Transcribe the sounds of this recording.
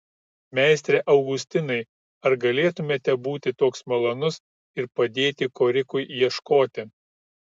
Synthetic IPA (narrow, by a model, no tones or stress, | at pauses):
mʲæˑɪsʲt̪ʲɾʲeʔɐʊɡʊsʲt̪ʲɪnɐɪ | ɐɾɡɐlʲeːt̪ʊmʲeːt̪ʲɛbuːt̪ʲɪt̪oːksmɐlˠɐnʊs | ɪɾpɐd̪ʲeːt̪ʲɪkoːɾʲɪkʊɪjiɛʃkoːt̪ʲɪ